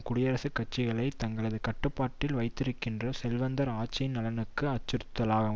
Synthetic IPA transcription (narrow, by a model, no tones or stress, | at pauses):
kʊɽɪjɐɾɐsɯkːɐt͡ʃːɪɣɐɭɐɪt̪ɐŋɡɐɭɐðɯkɐʈːɯpːaːʈːɪlʋɐɪt̪ːɪɾɯkːɪndrɐsɛlʋɐnd̪ɐɾaːt͡ʃːɐjɪnːɐlɐnɯkːɯɐt͡ʃːɯɾɯt̪ːɐlaːɣɐ